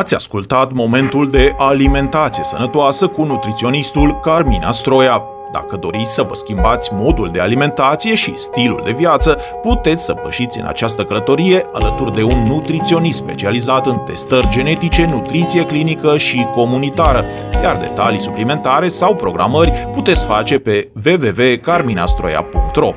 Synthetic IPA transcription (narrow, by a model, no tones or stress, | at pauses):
at̪sʲa̰skult̪at̪mo̞me̞nt̪uld̪e̞ʔalime̞nt̪at̪sije̞sənət̪oasəkunut̪ɾit̪sio̞nist̪ulkarminʔa̰st̪ɾo̞ja | d̪a̰kəd̪o̞̰ɾit̪sʲsəvəskʲimbat̪sʲmo̞d̪uld̪e̞alime̞nt̪at̪sije̞ʃḭst̪ilṵld̪e̞vijat̪sə | put̪e̞t̪sʲsəpəʃit̪sʲɨ̰na̰t͡ʃast̪əkələt̪o̞ɾije̞ʔalət̪urd̪e̞unːut̪ɾit̪sio̞nispe̞̰t͡ʃializat̪ɨnt̪e̞st̪ərʲd͡ʒe̞ne̞t̪it͡ʃe̞nut̪ɾit̪sije̞klinikəʃiko̞munit̪aɾə | jard̪e̞̰t̪alisuplime̞nt̪aɾe̞sawpɾo̞ɡɾʔa̰mərʲput̪e̞t̪sʲfat͡ʃe̞pe̞ve̞ve̞ve̞karmina̰st̪ɾo̞̰ja̰puŋk̚t̪ro̞